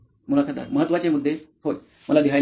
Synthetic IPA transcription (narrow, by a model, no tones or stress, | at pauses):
mulat̪ʰad̪a̰ɾməɦət̪ːʋat͡ɕemud̪ʱːehoj | məlad̪iɦaj